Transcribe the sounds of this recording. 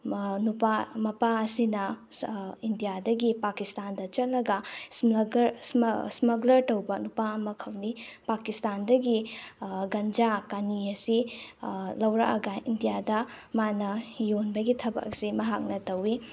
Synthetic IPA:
nupamɐpaɐsinɐ | indijadɐɡipakistandɐt͡ʃɐt̚lɐɡɐsɡɾssmɐɡlɐɾtɐwbɐnupaɐmɐkʰɐwnipakistandɐɡi | ɡɐnd͡ʒakɐniɐsi | lɐwɾɐ̰kɐ̰ɡɐindijadɐmanɐjonbɐɡitʰɐbɐ̰k̚simɐɦak̚nɐtɐwi

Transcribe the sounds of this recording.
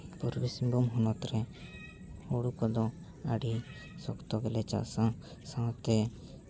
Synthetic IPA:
puɾbisimbumɦɔnɔt̪ɾɛ | hoɽukɔd̪ɔ | aɽi | sɔkt̪ɔɡɛlɛt͡ʃa̰sã | sãt̪ɛ

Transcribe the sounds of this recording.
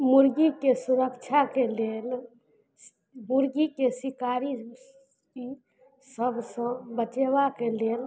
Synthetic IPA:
muɾɡikesuɾəkt͡ʃʰakelel | muɾɡikesikaɾi | ki | səbsə̃bət͡ʃebakelel

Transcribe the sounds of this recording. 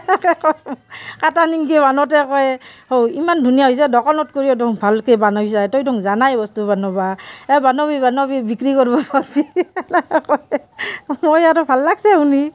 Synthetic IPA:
kkɔjkataniŋkɛbanɔt̬ɛkɔɛhowimandʱunijaɦɔjs̬ɛdɔkɔnɔt̚koɹiɔdɔŋbʱalkɛbanɔjs̬ajtɔjdɔŋzanajbɔstubʱanɔbaɛbanɔbibanɔbibikɹikɔɹbɔbabi | kɔj | mojaɾɔbʱalːaɡsɛuni

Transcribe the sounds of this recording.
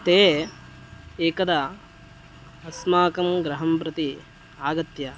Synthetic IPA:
t̪eː | eːkɐd̪ɐ | ɐsmaːkɐmɡɾɐɦɐmpɾɐt̪i | aːɡɐt̪jɐ

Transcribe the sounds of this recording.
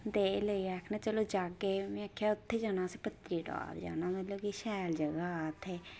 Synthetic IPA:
d̪eːləiːɛːkʰnẽːt͡ʃəloːd͡ʒaːɡemĩakʰːjaːʊt̪ʰːeːd͡ʒanãːsepət̪ɾiːʈa̰ːɾd͡ʒa̰ːnãːməloːkiʃɛːld͡ʒəɡaːt̪ʰeː

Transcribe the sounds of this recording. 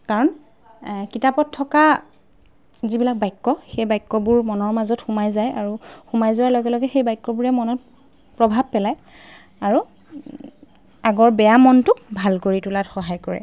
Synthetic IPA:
kaɹɔn | kitapɔtʰːɔka | zibilak̚bajkːɔxejbajkːɔbʊɹmɔnɔɹmazɔtxumajzajaɹuxumajzʊwaɹlɔɡɛlɔɡɛxejbajkːɔbuɹɛmɔnɔt̚ | pɹɔbʱab̚pɛlaj | aɹu | aɡɔɹbɛjamɔntʊk̚bʱalkoɹitulatxɔɦajkɔɹɛ̰

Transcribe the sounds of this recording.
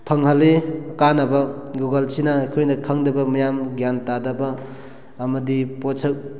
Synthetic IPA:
pʰɐŋɦɐlekanɐbɐɡuɡɐlt͡ʃʰinakʰojnɐkʰɐŋdɐbɐmɐjamɡjantadɐbɐː | mɐdipot͡ʃʰɐk̚

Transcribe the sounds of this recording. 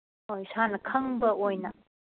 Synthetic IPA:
ojsanɐkʰɐŋbɐʔojnɐ

